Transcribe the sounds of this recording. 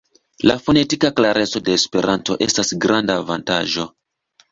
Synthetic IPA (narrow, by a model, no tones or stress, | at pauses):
lafo̞ne̞tikaklaɾʔe̞t͡so̞de̞ːspe̞ɾʔanto̞ʔe̞stasɡɾandaːvanta̰ʒo̞